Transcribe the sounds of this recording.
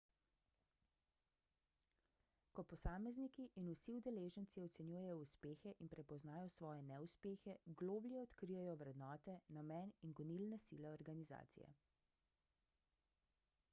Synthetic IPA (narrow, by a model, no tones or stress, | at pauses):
kɔpɔsaːmɛznikiʔinusiud̪ɛleːʒənt̪siɔt̪sɛnjujɛjɔuspeːxɛʔinpɾɛpɔznaːjɔsʋɔːjɛnɛuspeːxɛɡloːbljɛɔt̪kɾijɛjɔʋɾɛd̪nɔːt̪ɛnamɛːninɡɔnilnɛsiːlɛɔɾɡaniza̰ːt̪sḭjɛ̰